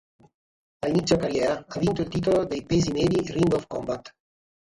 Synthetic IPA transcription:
alinit̪sjokaɾjɛːɾaavint̪oilt̪iːt̪olod̪ejpezimɛːdiriŋɡɔfkɔmbat̪

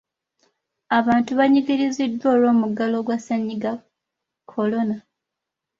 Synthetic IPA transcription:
aβaːntuβaɲiɡiɾizidːwo̞ːlo̞ːmuɡalo̞ɡwasaɲːiɡa | kʰːo̞lo̞na

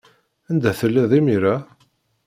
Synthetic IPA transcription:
ænd̪æθəlːiðˤimiɾa

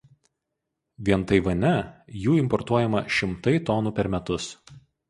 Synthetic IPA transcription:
ʋʲiɛnˑt̪ɐɪʋɐnʲɛjuːɪmpɔɾt̪uɔjɛmɐʃʲɪmt̪ɐɪt̪ɔnuːpʲɛɾmʲɛt̪ʊs

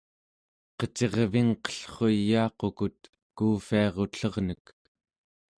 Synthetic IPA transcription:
qət͡ʃe̞ʁviŋqʌ̥ɬχojːɑːqokut̪ | kuːfiɑʁo̞ɬʌʁnək

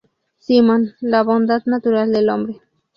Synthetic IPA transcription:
simanlabond̪at̪nat̪uɾald̪elombɾi

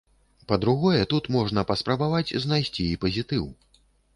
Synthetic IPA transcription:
pɐd̪ɾuɣɔjɛt̪ut̪mɔʐn̪ɐpɐspɾɐbavad͡zʲznajsʲt͡sʲiipɐzʲit̪ɨw

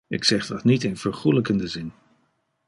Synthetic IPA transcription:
ɪ̰ksɛχdɑtnitɪnv̥əɹχuləkəndəzɪn

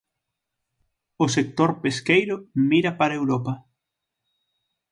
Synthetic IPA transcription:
ʊsek̚t̪oɾpeskejɾʊmiɾɐpaɾɐewɾopɐ

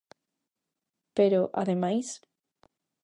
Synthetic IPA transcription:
peɾoʔa̰ðemajs

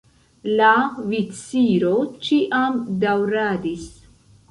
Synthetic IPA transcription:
lavit͡siɾot͡ʃiʔamd̪awɾaːd̪is

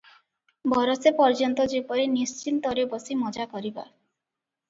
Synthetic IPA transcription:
bɔɾosepɔɾd͡ʒɔnt̪ɔd͡ʒepɔɾenist͡ʃint̪ɔɾebɔsimɔd͡ʒakɔɾiba̰

